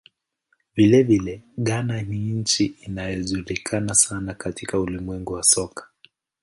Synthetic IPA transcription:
vilɛvilɛɠananiɲ̩t͡ʃiinajɔʄuɾikʰanasanakatikaulimwɛŋɡuwasɔkḁ

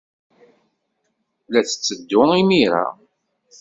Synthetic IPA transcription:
læt͡sːə̥t͡sːəd̪ːʊimiɾa̰

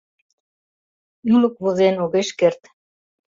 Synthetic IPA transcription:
juləkβozenoɣeʃkert̪

